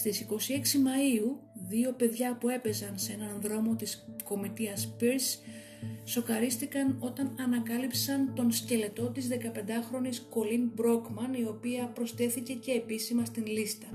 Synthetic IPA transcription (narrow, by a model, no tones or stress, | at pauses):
st̪isiko̞sie̞ksimɐiuðio̞pe̞ðʝɐpue̞pe̞zɐnsee̞nɐnðɾo̞mo̞t̪isko̞mit̪iɐspiɾs | so̞kɐɾist̪ikɐno̞t̪ɐnɐnɐkɐlipsɐnt̪o̞nsce̞le̞t̪o̞t̪izðe̞kɐpe̞nd̪ɐxɾo̞nisko̞linbɾo̞kmɐnio̞piɐpɾo̞st̪e̞θice̞ce̞ːpisimɐst̪inlist̪ɐ